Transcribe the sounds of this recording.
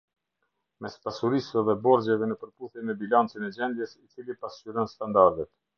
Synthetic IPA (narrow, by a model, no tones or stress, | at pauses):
mɛspasuɾisɛðɛbɔɾd͡ʑɛvɛnəpəɾpuθjɛnmɛbilant͡sinɛd͡ʑɛnd̪jɛsit͡silipasyɾɔnst̪and̪aɾd̪ɛt̪